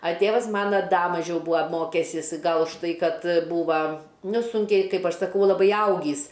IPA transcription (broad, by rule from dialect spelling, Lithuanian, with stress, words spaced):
ɐ ˈtʲeːʋɐs ˈmɑːnɐ ˈdɐ mɐˈʒʲɛʊ ˈbuːɐ ˈmoːkʲɛsʲɪs ˈɡɐlˠ ʊʃˈtɐɪ ˈkɐt ˈbuːʋɐ ˈnʊ ˈsuːŋʲkʲɛɪ ˈkɐɪp ˈɐʃ sɐˈkɐʊ lˠɐˈbɐɪ ˈɐʊɡʲiːs